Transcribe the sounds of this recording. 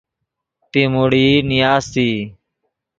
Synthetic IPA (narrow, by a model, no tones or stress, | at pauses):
t̪iːmoɽiːnɪjaːzt̪iː